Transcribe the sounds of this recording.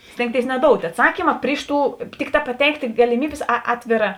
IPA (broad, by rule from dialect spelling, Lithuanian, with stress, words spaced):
ˈsʲtʲeːŋktʲeːɪs nʲɛˈdoːʊtʲ ɐtˈsɑːkʲiːmɐ ˈpʲrʲɪʃ ˌtuː ˈtʲɪkˌtɑː pɐˈtʲɛɪktʲeː ɡɐlʲɪˈmʲiːbʲeːs ˈɑːtʲʋʲeːˌrɑː